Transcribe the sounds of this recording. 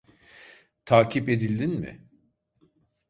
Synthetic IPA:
t̪ʰaːcʰipe̞d̪ilʲd̪inmɪ̰

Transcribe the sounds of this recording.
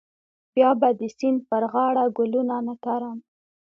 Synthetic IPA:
pjɑbad̪əsinpəɾɣɑɽaɡʊlunanat̪aɾam

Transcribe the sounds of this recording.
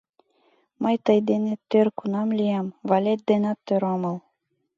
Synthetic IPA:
mɤjt̪ɤjd̪enet̪ːørkunɑmlʲijɑmvɑlʲet̪̚d̪enɑt̪ːøɾɑmɤlˠ

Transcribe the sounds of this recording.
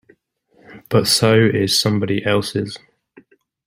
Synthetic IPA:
b̥ʌtsəʊɪz̥sʌ̃mbɒɾiʔɛlˠsɪ̰z̥

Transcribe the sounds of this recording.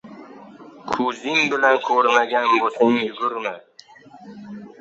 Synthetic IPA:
kʰʊzɪŋbɪlankʰɵɾmaɡʲanbosaŋjʊɡʲʊɾmɪ

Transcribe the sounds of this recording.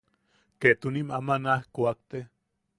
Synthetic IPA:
ket̪unimamanahkuak̚t̪e

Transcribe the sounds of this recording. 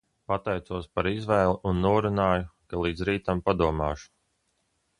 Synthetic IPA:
pat̪ɛjt̪suɔspaɾizvɛːlˠiʔunːuɔɾunaːjukalˠiːd̪zɾiːt̪ampad̪uɔmaːʃu̥

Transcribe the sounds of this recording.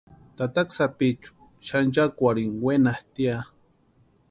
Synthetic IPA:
t̪at̪aksapit͡ʃu̥ | ʃand͡ʒakʷaɾiŋwenaht̪ia

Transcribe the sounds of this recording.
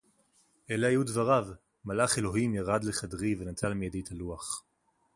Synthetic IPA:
ʔeleajudvaʁav | malaχe̞lo̞ɦimjaʁad̪leχadʁivenat͡salmijadejt̪ʰaluaχ

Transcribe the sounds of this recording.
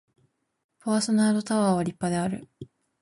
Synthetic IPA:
paːso̞naːɾot̪aβaːβaɾʲipːad̪eaɾɯ̟̰

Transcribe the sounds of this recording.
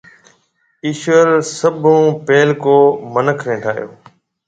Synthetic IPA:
ɪʃʋəɾsəbʱũːpeːlkoːmənəkʰɾẽːɖʰʱaːjo̰ː

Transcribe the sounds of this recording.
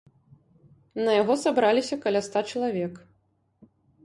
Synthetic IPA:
nɐjaɣɔsabɾalʲisʲɐkɐlʲast̪at͡ʂɐlˠavʲɛk

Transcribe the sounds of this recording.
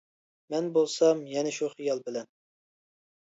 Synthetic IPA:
mɛnbolˠsɑmjɛnɛʃuχijɑlˠbɪlɛn

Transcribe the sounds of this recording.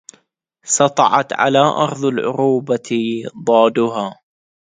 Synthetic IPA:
sɑt̪ˤɑ̰ʕɑ̰t̪ʕa̰laːʔɑɾˤðˤɑlʕʊ̰ɾuːbad̪ˤɑːd̪ʊɦaː

